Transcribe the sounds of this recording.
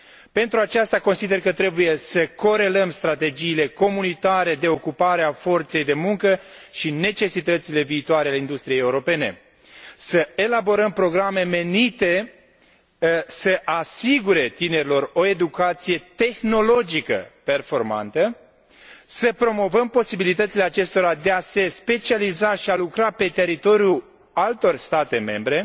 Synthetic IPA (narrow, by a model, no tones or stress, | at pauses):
pe̞nt̪ɾuat͡ʃast̪ako̞nsid̪erkət̪ɾe̞buje̞səko̞ɾe̞ləmst̪ɾat̪e̞d͡ʒiːle̞ko̞munit̪aɾe̞d̪e̞o̞kupaɾeafo̞rt̪se̞jd̪e̞muŋkəʃine̞t͡ʃe̞sit̪ət̪sile̞viːt̪oaɾealeind̪ust̪ɾijejeuɾo̞pe̞ne̞̰ | səe̞labo̞ɾəmpɾo̞ɡɾame̞me̞nit̪e̞ | səʔasiɡuɾe̞t̪ine̞ɾʲilo̞ro̞e̞d̪ukat̪sije̞t̪e̞xno̞lo̞d͡ʒikə̰pe̞rfo̞rma̰nt̪ə | səpɾo̞mo̞vəmpo̞sibilit̪ət̪sile̞at͡ʃe̞st̪o̞ɾad̪e̞ase̞spe̞t͡ʃializaʃialukɾape̞t̪e̞ɾit̪o̞ɾju | alt̪o̞rst̪at̪e̞me̞̰mbɾe̞